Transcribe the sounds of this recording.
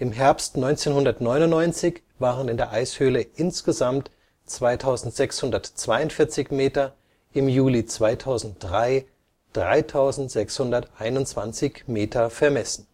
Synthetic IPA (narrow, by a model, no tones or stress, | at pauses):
ʔɪmɦɛɐpstnɔʏnt͡seːnhʊndɐtnɔʏnʊnnɔʏnt͡sɪç | v̥aːʁənɪndeːɐʔaɪshøːləʔɪnsɡ̥əzamt | t͡sv̥aɪtʰaʊzn̩tz̥ɛkshʊndɐtt͡sv̥aɪʊntfɪɐt͡sɪçmeːtɐ | ʔɪmjuːlit͡sv̥aɪtʰaʊzn̩t̚d̥ʁaɪ | d̥ʁa̰ɪtʰaʊzn̩tz̥ɛkshʊndɐtʔaɪnʊnt͡sv̥ant͡sɪçmeːtʰɐfɛɐmɛsn̩